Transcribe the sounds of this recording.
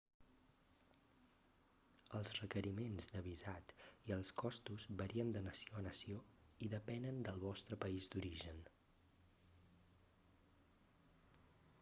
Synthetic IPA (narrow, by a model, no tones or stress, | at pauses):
əlˠzrəkəɾimenzd̪əβizat̪iəlˠskɔst̪uzβəɾiənd̪ənəsioənəsioiðəpɛnənd̪əlˠβɔst̪ɾəpəizd̪uɾiʒən